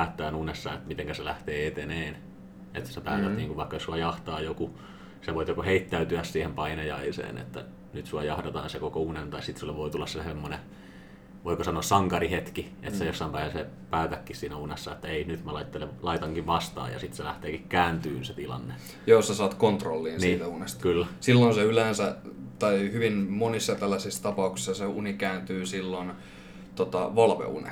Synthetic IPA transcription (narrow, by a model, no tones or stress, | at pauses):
t̪ːæːnunesːɑ̰ːet̪mit̪eŋkæselæht̪eːet̪eneːn | et̪sepæːt̪æt̪niːŋkuʋʋɑikːɑjosuɑjɑht̪ɑːjoku | seʋoit̪jokoheit̪ːæyt̪yæssiːhempɑinɑjɑisḛːnḛt̪ːæ̰ | nyt̪suɑjɑhdet̪ɑ̰ːnsekokounent̪ɑisit̪sulːeʋoit̪ulːɑssesemːone | ʋoikosɑnoːssɑŋkɑrihet̪kiʔet̪sejosːɑimpæihæse | pæːt̪ækːissiːnæunesːɑet̪ːæeinyt̪mælɑit̪ːelelɑit̪ɑŋkiʋʋɑst̪ɑ̰ːjɑ̰sit̪selæht̪eːkikkæːnt̪yːnset̪ilɑ̰nːe | joːsɑsɑːt̪kont̪rolːiːnsiːt̪æunest̪kylːæsilːonseyleːnsæt̪ɑihyʋinmonisːɑt̪ælːæsist̪ɑpɑuksi̥sɑseṵnikæːnt̪yːsilːon | t̪ot̪ɑʋɑlʋḛṵnḛ